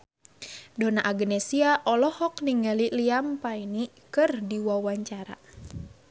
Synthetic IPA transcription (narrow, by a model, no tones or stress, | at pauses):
donaʔaɡənesiaʔɔlɔhɔkniŋaliliampaini | kɨrdiwawaɲt͡ʃaɾa̰